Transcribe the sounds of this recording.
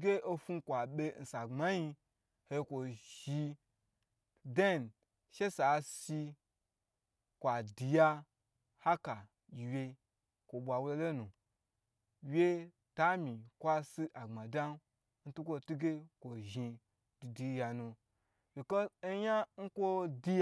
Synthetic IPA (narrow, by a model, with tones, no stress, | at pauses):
ɡʲe˦o˦fu˦kʷa˨ɓʲe˧n̩˨sa˨ŋ͡ma˦ji˧ | he˧˦kʷo˨ʒi˧ | de˦n | ʃe˦sa˨si˧ | kʷa˨di˨ja˧ | ha˦ka˨ | jʲi˨wʲje˧ | kʷo˨ɓʷa˨wle˧lo˦nu˨ | wjʲe˦ | ta˦mĩ˨kʷa˦si˦ʔa˨ŋ͡ma˨da˦n˦ | n̩˦tu˦kʷo˧tu˦ɡe˦kʷo˨ʒi˧ | du˨di˨˦ja˨nũ˧ | wi˨ke˦n̩˦ja˦ŋ̩˦kʷo˦di˧